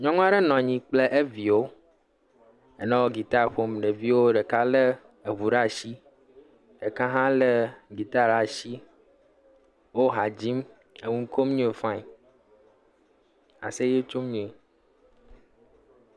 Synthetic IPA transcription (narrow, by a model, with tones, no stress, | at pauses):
ɲɔ̃˦ŋũ˦a˦ɖe˦nɔ̃˨ɲĩ˨k͡ple˦ʔe˦vi˨wo˦ | e˨nɔ̃˦wo˦ɡi˨t̪a˦ɸo˦mɖe˨vi˦wo˦ɖe˨ka˦le˦ | e˨βu˨ɖa˦˨ʃi˦ | ɖe˨kã˦ɦã˦le˦ɡi˨t̪a˦˨ɾa˨ʃi˦ | wo˦ɦa˨d͡ʑi˦m | e˨ŋũ˦ŋ̩˦ko˦m˦ɲũ˦e˨fã˦i˨ | a̰˨se˦je˦t͡ʃo˦mɲũ˦e˨